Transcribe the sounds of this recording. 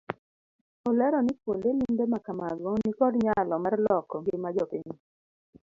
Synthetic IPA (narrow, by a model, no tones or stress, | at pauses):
ɔlɛɾɔnɪpwondelimbemakamaɡɔnikɔdɲalɔmarlɔkɔŋɡɪmad͡ʒɔpɪɲi